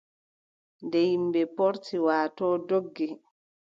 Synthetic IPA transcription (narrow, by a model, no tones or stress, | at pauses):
ndɛjimbɛpɔɾtiwaːtɔːdoɡːi